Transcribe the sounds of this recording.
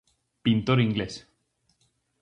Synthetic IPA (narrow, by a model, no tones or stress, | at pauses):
pint̪oɾiŋɡles